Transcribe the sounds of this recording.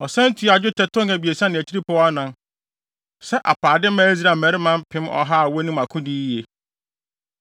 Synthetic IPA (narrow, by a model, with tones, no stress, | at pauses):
ɔ˨sɛ̃˦n̩˦tʰu˨a˨d͡ʑᶣʊ˦tʰɛ˨tʊ̃˦ŋɛ˨bi˨e˨sã˦nɪ̃˨t͡ɕʰi˦ɾi˦pʰɔ˨˦wa˦nã˨n | sɛ˦ʔa̰˨paː˨dɪ˦mãː˦i˦z̬a˨mɛ̃˨˦ɾɪ˦mã˦m˦pʰɪ̃˦mɔ̰˦ɦa˦a˨wɔ˦nũ˦ma˨kʰʊ̃˦di˦je˨